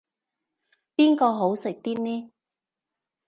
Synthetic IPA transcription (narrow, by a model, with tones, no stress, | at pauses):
piː˥nkɔː˧ɦo˨˥wsɪ˨k̚t̪iː˥t̚nɛː˥